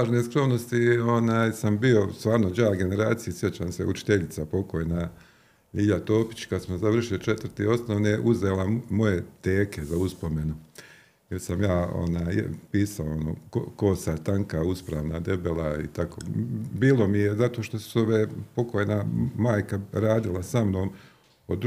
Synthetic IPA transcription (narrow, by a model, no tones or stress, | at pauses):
aːʒneskɾo̞mno̞st̪io̞naːjsambio̞st̪ʋaːɾnod͡ʑaːɡe̞ne̞ɾaːt̪sijisjet͡ɕaːmsḛut͡ʃi̥t̪eʎit̪sapo̞kojna | iʎat̪o̞ːpi̥t͡ɕkad̪smozaʋr̩ʃiot͡ʃet̪ʋrt̪io̞snoʋneʔuzeːlamo̞je̞t̪eːke̞zauspo̞me̞nu | jeɾsamjaːo̰naːj̰piːsaoono̰ːko̰kosat̪aŋkauspɾaːʋnad̪e̞belaḭt̪ako̰ːbiːlo̞mijezat̪o̞ːʃt̪osu̥soʋeːpo̞kojnamaːjkaɾaːd̪ilˠasamnoːm | od̪